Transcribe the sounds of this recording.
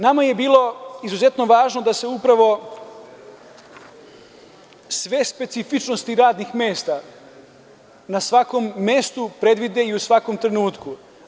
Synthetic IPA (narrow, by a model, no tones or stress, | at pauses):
namaje̞biːlˠo̞izuze̞t̪no̞ʋaːʒno̞d̪ase̞upɾaʋo̞ | sʋe̞spe̞t̪sifit͡ʃno̞st̪iɾaːd̪nixme̞ːst̪a | nasʋako̞mːe̞st̪upɾe̞d̪ʋid̪e̞iusʋako̞mt̪ɾe̞nuːt̪ku